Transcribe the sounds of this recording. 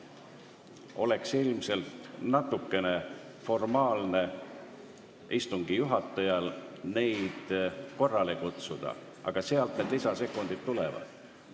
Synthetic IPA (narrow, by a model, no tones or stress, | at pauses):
o̞le̞ksilmise̞lt̪nɑt̪ːˑukːe̞ne̞ | fo̞rmɑːlne̞ | ist̪uŋɡ̥ijuɦɑt̪ːˑɑjɑlne̞jd̪̥ko̞rːɑlekut̪sud̪̥ɑ̰ | ɑ̰ɡ̥ɑse̞ɑlt̪̚ned̪̥lisɑse̞kːˑond̪it̪ːule̞vɑ̰d̪̥